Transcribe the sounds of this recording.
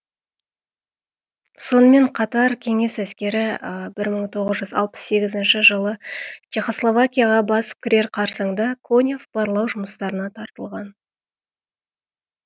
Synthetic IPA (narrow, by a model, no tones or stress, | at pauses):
so̞nəme̞ɴqʰɑt̪ɑɾkʲʰe̞ŋe̞sæskʲe̞ɾɪbɪɾməɴt̪ʰo̞ʁəzʒʏzɑ̰lˠpə̥se̞ɡʲɪzɪnʃɪʒəlˠət͡ʃeχo̞slˠo̞vakʲijaʁɑbɑsə̥p̚kʲʰɪɾʲe̞ɾqʰɑɾsəɴd̪əkʰonʲefb̥ɑɾlˠɑwʒʊməst̪ɑɾənɑt̪ʰɑɾt̪əlˠʁɑn